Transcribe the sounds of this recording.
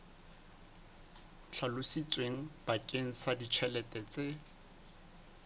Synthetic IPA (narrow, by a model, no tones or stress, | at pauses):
t͡ɬʰalʊsit͡sʼweŋ̩b̥akʼeŋ̩sadit͡ʃʰɛlɛtʼɛt͡sʼe